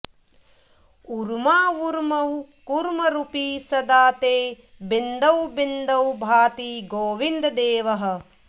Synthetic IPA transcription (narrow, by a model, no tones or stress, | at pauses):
uɾmaːuɾmɐwkuɾmɐɾupiːsɐd̪aːt̪eː | bind̪ɐwbind̪ɐwbʱaːt̪iɡoːʋind̪ɐd̪eːʋɐɦɐ̆